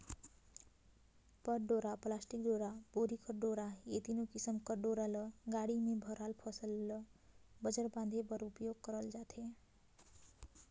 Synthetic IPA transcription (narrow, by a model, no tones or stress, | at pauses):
pʌʈɖoɾaplasʈikɖoɾaboɾikʌrɖoɾaet̪inokisʌmkʌrɖoɾalʌɡaɽimebʱʌɾalpʰʌsʌlːʌbʌd͡zarbãnd̪ʱebʌɾupjoɡ̚kʌɾʌld͡zat̪ʰe